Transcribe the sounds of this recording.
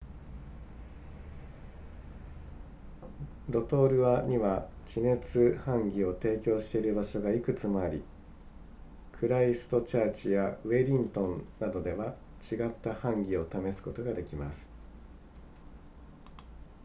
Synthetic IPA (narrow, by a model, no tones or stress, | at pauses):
ɾo̞t̪o̞ːɾɯ̟βaɲ̟iβat͡ɕine̞t͡sɨhãŋɡʲio̞t̪e̞ːkʲo̞ːɕi̥t̪e̞iɾɯ̟baɕo̞ɡaikɯ̟t͡sɨmo̞aɾʲi | kʰɯ̟ɾaisɨ̥t̪o̞t͡ɕaːt͡ɕijaɯ̟e̞ɾʲĩnt̪õ̞nnːad̪o̞d̪e̞βa | t͡ɕiɡat̪ːahãŋɡʲio̞t̪ame̞sɨ̥ko̞t̪o̞ɡad̪e̞kʲimasɨ̥